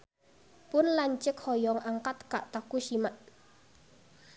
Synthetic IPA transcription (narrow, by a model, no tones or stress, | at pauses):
pʊnlaɲt͡ʃɪkhɔjɔŋaŋkat̪kaʔt̪akuʃimaʔ